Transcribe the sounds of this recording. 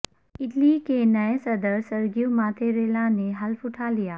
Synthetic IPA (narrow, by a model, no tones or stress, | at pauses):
ɪʈlikenɐesɐd̪əɾsɐɾɡijumaːt̪ʰeɾeːlãneɦɐlfʊʈʰalijaː